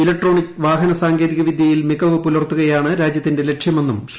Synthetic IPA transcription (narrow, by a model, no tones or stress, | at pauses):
ilɐk̚ʈro̞ːɳikːɨʋaːɦɐnɐsaːŋɡe̞ːðiɣɐʋid̪ʱjɐjilmiɣɐʋɨpulɐrt̪ːuɣɐjaːɳɨɾaːd͡ʑjɐt̪ːinde̞le̞kʂjɐme̞nːum